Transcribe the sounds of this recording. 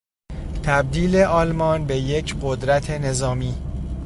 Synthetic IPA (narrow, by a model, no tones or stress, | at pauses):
t̪ʰæb̚d̪iːleʔɒːlmɒːnbe̞je̞cʰɢo̞d̪ɾæt̪ʰe̞ne̞zɒːmiː